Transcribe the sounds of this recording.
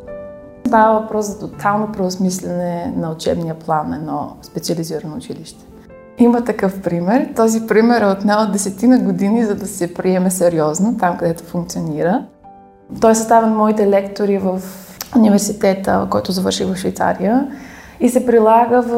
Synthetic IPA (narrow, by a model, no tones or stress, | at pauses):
st̪avəvɐpɾɔszɐt̪ot̪ʰalˠnopɾɛʊsmislʲɛnɛnɐʊt͡ʃɛ̰bnijəplˠanɛ̰nɔ̰spɛt̪siɐliziɾənoːt͡ʃiliʃt̪ɛ̥ | imət̪ɐkɤfpɾimɛɾt̪ɔzipɾimɛɾɛot̪nɛod̪ɛsɛt̪inɐɡod̪inizɐd̪ɐsɛpɾiɛmɛsɛɾiɔznot̪amkɐd̪ɛt̪o̥fuŋkt̪sioniɾə | t̪ɔjsst̪avɛnmɔit̪ɛlɛkt̪oɾivɐf | univɛɾsit̪ɛt̪ə̰kɔjt̪ʊzɐvɤɾʃiɣvɐfʃvɛjt̪sa̰ɾijə | isɛpɾilˠaɡəv